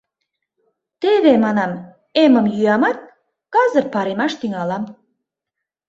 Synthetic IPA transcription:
t̪eβemɑnɑm | emə̆mjyɑmɑt̪̚ | kɑzərpɑɾemɑʃt̪yŋɑlɑm

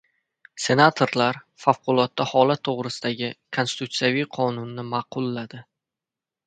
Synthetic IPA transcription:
se̞nat̪ʰoɾlaɾ | fafqʰʊlˠɒt̪ːahɒlat̪ʰːoʁɾɪsɪd̪aɡʲɪkʰonsɪ̥t̪ʰut̪sijavijqʰɒnʊnːɪmɑqʊlˠːad̪ɪ

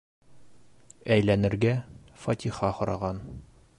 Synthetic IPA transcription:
æjlænɘ̆ɾɡæ | fɒt̪ʰʲiχɑhŏɾɑ̰ʁɑn

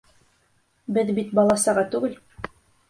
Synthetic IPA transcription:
bɘðbit̪bɒlˠɑsɑʁɑt̪ʉɡɘl

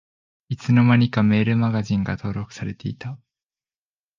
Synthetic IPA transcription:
it͡sɨno̞maɲ̟ikame̞ːɾɯ̟maɡaʑĩŋɡat̪o̞ːɾo̞kɯ̟̥saɾe̞t̪e̞it̪a

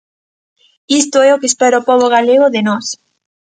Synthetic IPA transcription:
ist̪oɛokespeɾaopoβoɣ̞aleɣ̞oðenɔs

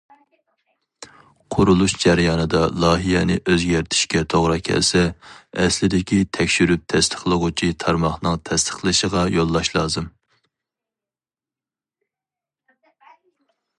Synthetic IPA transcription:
qʰʊɾulˠuʃd͡ʒæɾjɑːnɨd̪ɑlˠɑːɦijɛnɪʔøzɡʲæɾt̪ʰɪ̥ʃkʲɛt̪ʰoʁɾɑkʲʰɛ̰lsɛːslɪd̪ɪkʲit̪ʰɛkʲʃyɾyp̚t̪ʰɛst̪ʰə̥χlˠəʁʊt͡ʃʰit̪ʰɑɾmɑχnɨŋt̪ʰɛst̪ʰə̥χlˠɨʃəʁɑjolˠːɑʃlˠɑːzɨm

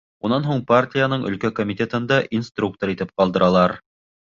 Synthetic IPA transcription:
unɑnɦuɴpartʲijanɤɴɵ̰̆lkækomʲit̪ʲet̪ɤ̆nd̪ɑʔinst̪ruk̚t̪oɾit̪ɘp̚qɑlˠd̪ɤ̆ɾʔɑlˠɑɾ

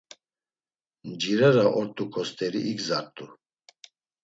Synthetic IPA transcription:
nd͡ʒiɾaɾaʔɔɾt̪ʼukʰɔst̪ʰʼɛɾiʔiɡzaɾt̪ʼu

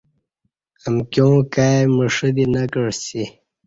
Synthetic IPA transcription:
əmkjõkaməʂəd̪inakəɻsi

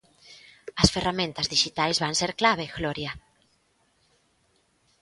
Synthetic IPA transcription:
ɐsferamẽnt̪azðiʃit̪ajzβaŋseɾklaβ̞eɣloɾja

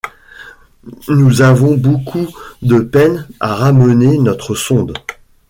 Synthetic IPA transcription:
nuzavɔ̃bokʰud̪əpɛnaʁamənenɔt̪χəsɔ̃d̪

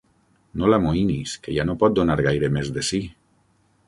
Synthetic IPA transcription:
nolamoiniskejanopɔt̪̚d̪onaɾɣ̞ajɾemezðesi

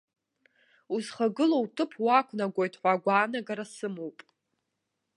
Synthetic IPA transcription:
uzχaɡɨlowtʰʼɨpʰwakʷʰnaɡʷojtʰħʷaɡʷaːnaɡaɾasɨmowpʼ

